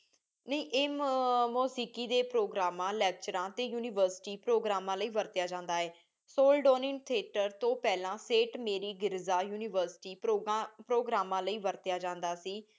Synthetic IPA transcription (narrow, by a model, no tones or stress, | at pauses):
nəĩːʔeːmmoːsiːkiːd̪eːpɾoːɡɾaːmãːlɛːk̚t͡ʃəɾãːt̪eːjuːnɪːʋəɾsʈiːpɾoːɡɾaːmãːləiːʋəɾt̪ɪjaːd͡ʒãːnd̪aːɦɛː | soːlɖoːnɪ̃ŋt̪ʰieːʈəɾt̪õːpɛːlãːseːʈmeːɾiːɡɪɾzaːjuːnɪːʋəɾsʈiːpːpɾoːɡɾaːmãːləiːʋəɾt̪ɪjaːd͡ʒãːnd̪aːsiː